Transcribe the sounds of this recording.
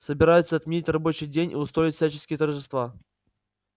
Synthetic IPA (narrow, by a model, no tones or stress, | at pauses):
səbʲɪɾajʊt̪səɐt̪mʲɪnʲitʲrɐbo̞t͡ɕɪjdʲenʲʔḭʊst̪ɾo̞ɪtʲfsʲæt͡ɕɪskʲɪjət̪ərʐɨst̪va